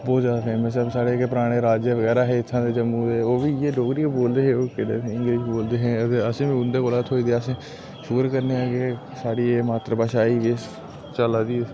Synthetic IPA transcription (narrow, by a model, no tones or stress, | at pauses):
boːt̪d͡ʒaːd̪tẽːmɛ̃ːs̬əbsaːɽekpəɾaːɽ̃eːɾaːd͡ʒeʋəɡɛːɾaːɦɛːɪt̪ʰːãːd̪eːd͡ʒəmũːɛːoːʋiːeːɖoːkɾiːkoboːld̪eːɦẽːoːkɪɽḛːɪŋɡleːʃboːld̪eːɦẽːət̪eːəsẽːʋĩʊnd̪eːkoːlat̪ʰoːiːd̪eəsẽː | ʃʊkəɾkəɾneːaːɡe | saːɽiːeːmaːt̪ɾəbaːʃaːiːʋeːs | t͡ʃəlaːd̪iː